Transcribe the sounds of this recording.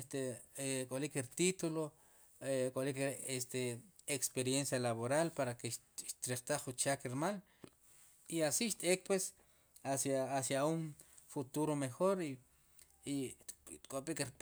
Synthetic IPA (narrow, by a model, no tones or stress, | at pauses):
st̪ekʼolikeɾt̪it̪ulo | kʼolikeɾest̪e | ekspeɾjensjalaβoɾalpaɾakeʃ | ʃt̪ɾeɾt̪aχut͡ʃakeɾmal | iasiʃt̪ʼek̚pwes | asjaːsjauŋfut̪uɾomexoɾi | it̪kʼopʼikeɾ